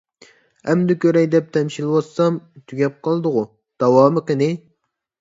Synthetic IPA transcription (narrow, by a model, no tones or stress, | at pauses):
ɛmd̪ɪkʲøɾɛjd̪ɛp̚t̪ʰɛmʃilˠwɑsɑmt̪ʰyɡʲɛp̚qʰɑlˠd̪əʁu | d̪̥ɑwɑːmɨqənɪ